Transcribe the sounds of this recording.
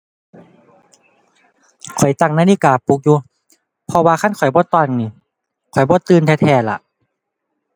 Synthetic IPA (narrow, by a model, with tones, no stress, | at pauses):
kʰɔ˨˩jt̪a˧˩ŋ̚naː˧˨liː˧˨kaː˨˩puː˨˧˦k̚juː˧ | pʰɔ˧waː˧kʰa˧˥˨nkʰɔ˨˩jbɔː˧˦t̪ɔː˧˩˨nniː˧˩ | kʰɔ˨˩jbɔː˧˦t̪ɯː˧nt̪ʰɛː˧t̪ʰɛː˧˩la̰˧˨ʔ